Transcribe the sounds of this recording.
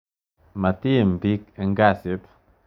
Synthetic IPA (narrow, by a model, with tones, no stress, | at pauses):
ma˨t̪i˦mbi˦ke˨ŋɡasip